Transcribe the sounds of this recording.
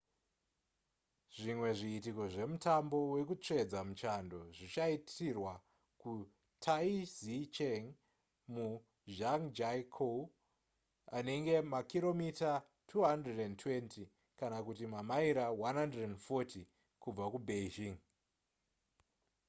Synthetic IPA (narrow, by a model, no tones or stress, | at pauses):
ʐimwe̞ʐiːtiko̞ʐe̞mutambo̞we̞kut͡ʂe̞d͡zamut͡ʃando̞ʐit͡ʃaitirwa | ku | tʰaizit͡ʃeŋ | mu | d͡ʒaŋd͡ʒajkʰo | ane̞ŋɡe̞makiro̞mita | tʰuɦandredentʰwe̞nti | kanakutimamaiɾawanɦandredenfoti | kub͡vakubeʒiŋ